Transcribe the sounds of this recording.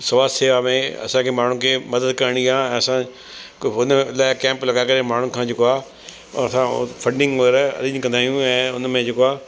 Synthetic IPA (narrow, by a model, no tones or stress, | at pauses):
sɐʋaːseːʋamẽɐ̰sãkʰeːmaːn̤ɳ̤ukʰeːmɐd̪əd̪kɐɾɽ̃iãɛ̃ːɐsã | ʊnlaːɪkɛ̃ːmplɐɠakɐɾemaːɳ̤ũkʰãːd͡ʑeːkoa̰ː | ɐsãfʰɐ̃ɳɖɪ̃ŋɡoɾɐ̰ɾɪ̃ɲkɐ̃nd̪aːɦijũɛ̃ːʊnmẽd͡ʑeːkoaː